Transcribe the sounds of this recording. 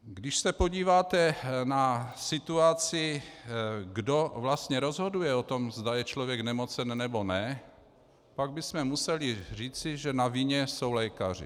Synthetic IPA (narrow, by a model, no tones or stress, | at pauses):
ɡdɪʃsɛpo̞ɟiːvaːt̪ɛnasɪt̪uat͡sɪ | ɡdo̞vlast̪ɲɛɾo̞zɦodujɛo̞t̪o̞mzdajɛt͡ʃlovjɛɡnɛmot͡sɛnːɛbonɛ | paɡ̚bɪsmɛmusɛlɪr̝iːt͡sɪʒɛnaviɲɛso̞wlɛkar̝ɪ̰